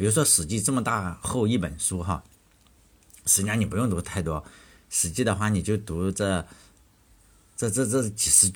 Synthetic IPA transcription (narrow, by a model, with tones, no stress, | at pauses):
pi˨˩ɻu˥˩ʂwɔ˥ʂɻ̩˨˩t͡ɕi˥˧ʈ͡ʂɤ˥˩mə˩t̪a˥˧xo˥˧ʊi˥˩pə˨˩nʂu˥xɑ˥˧ | ʂɻ̩˧˥t͡ɕja˥ŋni˨˩p̬u˧˥jʊ˥˩ŋt̪u˧˥t̪ʰa˥˩ɪt̪wɔ˥ | ʂɻ̩˨˩t͡ɕi˥˩d̪ə˩xwa˥˩ni˨˩t͡ɕjo˥˩ʊt̪u˧˥ʈ͡ʂɤ˥˩ | ʈ͡ʂɤ˥˧ʈ͡ʂɤ˥˧ʈ͡ʂɤ˥˩t͡ɕi˨˩ʂɻ̩˧˥